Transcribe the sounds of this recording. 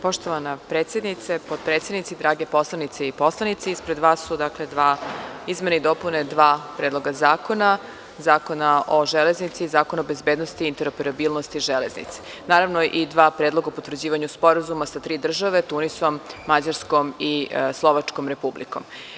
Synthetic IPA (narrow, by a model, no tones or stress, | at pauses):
po̞ʃt̪oʋanapɾet̪sje̞d̪nit̪sepod̪̚pɾet̪sjed̪nit̪sid̪ɾaːɡepo̞slˠanit̪seipo̞slˠanit̪siispɾed̪ʋaːsːud̪akled̪ʋaːizmenaid̪oːpuned̪ʋaːpɾed̪lˠo̞ɡazaːko̞na | zaːko̞naʔoʒeleznit̪siːzaːko̞nabezbeːd̪nost̪iint̪eɾopeɾabilˠnost̪iʒeleznḭt̪si̥ | naːɾaʋnoʔid̪ʋaːpɾed̪lˠo̞ɡaoupot̪ʋrd͡ʑiːʋaɲuspo̞ɾazumasat̪ɾiːd̪r̩ʒaʋe̞t̪unisomːad͡ʑaɾskomislˠo̞ʋat͡ʂkomɾe̞publḭko̰m